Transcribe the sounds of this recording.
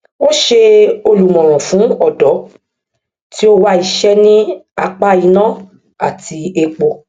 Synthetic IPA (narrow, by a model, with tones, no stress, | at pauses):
wo˦ʃe˧o˧lu˨mɔ̃˨ɾ̃ɔ̃˨fũ˨˦ɔ˦˨dɔ˨˦ | ti˦o˦wa˦i˧ʃɛ˦nĩ˦a˧k͡pa˧i˧nã˦ | a˨tʰi˧e˧k͡po˧